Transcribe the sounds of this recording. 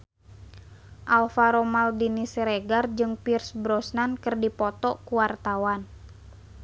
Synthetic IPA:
ʔalfaɾomaldinisɾɛɡard͡ʒɨŋpirsbɾɔsnankərdipɔt̪ɔkuwart̪awan

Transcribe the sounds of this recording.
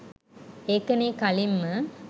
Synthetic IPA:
ekɐnikɐlimːə

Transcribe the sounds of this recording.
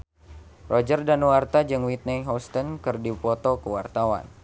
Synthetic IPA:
rɔd͡ʒərdanwart̪ad͡ʒɨŋwit̪̚nɛɦɔst̪ənkɨrdipɔt̪ɔkəwa̰rt̪awa̰n

